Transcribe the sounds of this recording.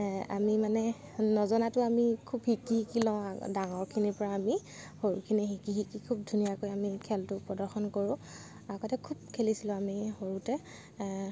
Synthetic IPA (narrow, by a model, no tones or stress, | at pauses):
a̰mimanɛ | nɔzɔnatʊamikʰubhikihikilɔ̃adaŋɔɹkʰinipɔɹaːmi | hoɹukʰinixikixikikʰub̚dʱunijakojamikʰɛltʊpɹɔdɔɹxɔnkoɹʊ̃ | aɡɔtɛkʰub̚kʰelisilʊ̃amihoɹutɛ